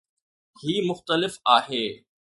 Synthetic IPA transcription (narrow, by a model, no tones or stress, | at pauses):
hiːmʊxt̪əlɪfaːɦeː